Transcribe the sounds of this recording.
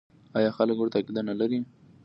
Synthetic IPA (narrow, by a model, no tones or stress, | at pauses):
ɑjɑxaləkoɽt̪akid̪ɑnalaɾi